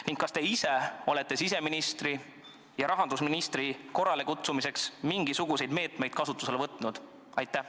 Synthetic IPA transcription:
niŋɡ̥kɑst̪e̞ise̞o̞le̞t̪ːˑe̞sis̬e̞minist̪ri | jɑɾɑɦɑnd̪usminist̪ɾiko̞rːɑle̞kut̪sumise̞ksmiŋɡ̥isuɡ̥use̞jd̪me̞ːt̪me̞jd̥̪̚kɑsut̪ːˑuse̞lvɤt̪ːˑnud̪̥ | ɑjt̪ːˑæ

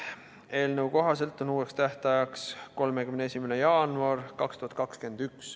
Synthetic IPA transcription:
e̞ːlnəwko̞ɦɑs̬e̞lt̪ːˑonuːe̞kst̪æht̪ɑjɑksko̞lmekymneesʲimene̞jɑːnuɑrkɑkst̪uhɑt̪̚kɑkske̞nd̪yks

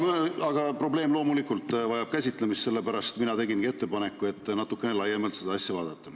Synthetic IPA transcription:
mɑɡɑpro̞ble̞ːmlo̞ːmulikːˑult̪ːˑvɑjɑb̥̚kæsʲit̪ˑle̞mist̪se̞lːe̞pæɾɑst̪t̪minɑt̪e̞ɡinɡie̞t̪ːe̞pɑne̞kːˑue̞t̪ːnɑt̪ːˑukːˑe̞nelɑjːemɑlt̪se̞d̪ɑɑsʲjɑvɑ̰ːd̪̥ɑt̪ːɑ

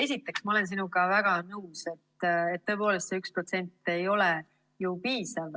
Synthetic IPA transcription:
e̞s̬ʲit̪ːˑe̞ksmɑole̞nsinuɡɑvæɡ̥ɑnɤwse̞t̪ːet̪̚ːɤ̞e̞po̞ːle̞st̪seyksprot̪se̞nt̪ˑːe̞jo̞le | jupiːsɑv

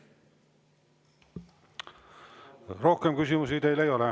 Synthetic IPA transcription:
ro̞hkemkys̬ʲimus̬it̪ejlejo̞le

